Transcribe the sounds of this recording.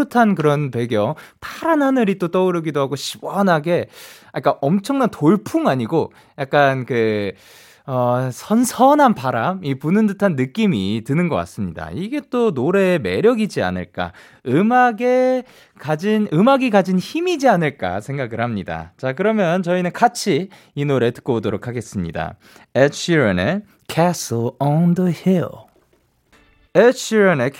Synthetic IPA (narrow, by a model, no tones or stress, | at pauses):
ɯtʰankɯɾʌnpe̞ɡjʌŋtʰaɾanɦanɯɾit͈ot͈ʌuɾɯɡidoɦaɡoɕʰi̥wʌnɦaɡe̞ak͈aʔʌmt͡ɕʰʌŋnantoɭpʰuŋaɲiɡo | jak͈̚ankɯ | ʌsʰʌnsʰʌnɦanpaɾamipunɯndɯtʰanːɯk͈imitɯnɯnɡʌk͈a̰s͈ɯmɲida̰iɡe̞t͈onoɾe̞ːme̞̰ɾjʌɡid͡ʑia̰nɯ̰ɭk͈a̰ | ɯmaɡe̞ | kad͡ʑinɯmaɡikad͡ʑinçimid͡ʑianɯɭk͈a̰sʰe̞ŋɡaɡɯɭhamɲida̰t͡ɕakɯɾʌmjʌnt͡ɕʌinɯnkat͡ɕʰiː | noɾe̞tɯ̥k͈ʌbodoɾokʰaɡe̞s͈ɯmɲḭda̰ | et͡ɕʰiɾene | kʰaslʌndəhil | et͡ɕʰiɾene